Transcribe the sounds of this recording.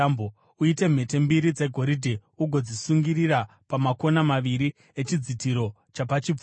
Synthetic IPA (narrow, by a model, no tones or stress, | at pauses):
mbo | uite̞m̤e̞te̞mbiɾid͡ze̞ɡʱo̞ɾidʱeuɡʱo̞d͡zisuŋɡirira | pamako̞namaʋiɾi | et͡ʃid͡zitiɾo̞ | t͡ʃapat͡ʃib͡v